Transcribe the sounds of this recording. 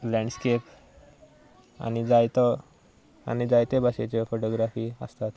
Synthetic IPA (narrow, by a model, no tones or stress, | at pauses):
lɛ̃ɳɖskep | a̰nid͡zajt̪ɔ | a̰nid͡zajt̪ebaɕet͡ɕefoʈoɡɾafiːə̰st̪at̪